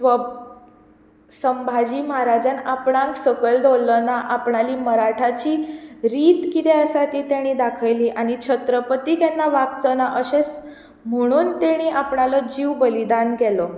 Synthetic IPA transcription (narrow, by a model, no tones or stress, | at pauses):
ʋə | səmbʱad͡ʑiːmɦaɾad͡ʑanapɽãŋksəkəld̪ʱolːənaʔapɳaliːməɾaʈʰat͡ɕiːɾiːt̪kit̪ɛəsat̪iːt̪jaɽ̃id̪akʰəjliːʔaɽ̃it͡ɕʰət̪ɾəpət̪iːkɛnːaʋakt͡sənaʔəɕes | m̤əɽ̃uːnt̪eɽ̃iːʔapɳalɔd͡ʑiːʋbəlid̪ankɛlɔ